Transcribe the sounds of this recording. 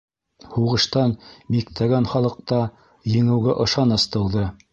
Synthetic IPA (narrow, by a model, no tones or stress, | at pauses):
huʁɤ̆ʃt̪ɑnmikt̪ʰæɡænχɑlˠɤ̆q̚t̪ɑ | jɘ̆ŋɘ̆wɡæʔɤ̆ʃɑnɤ̆st̪ɤ̆w̪ðɤ